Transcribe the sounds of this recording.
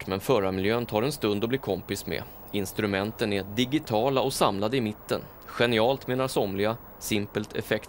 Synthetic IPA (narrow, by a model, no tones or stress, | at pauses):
mɛnfœːɾamɪljøːənt̪ʰɑːɾɛnst̪ɵnd̪ɔbliːɾkʰɔmpɪsmɛ̰ | ɪnst̪ɾɵmɛnt̪ənæɖɪɡɪt̪ʰɑːlaɔsamlad̪əɪmɪt̪ːə̰n | ɧɛnɪɑːlt̪meːnaɾsɔmlɪɡa | sɪmpəlt̪ʰɛ̰fɛkt̪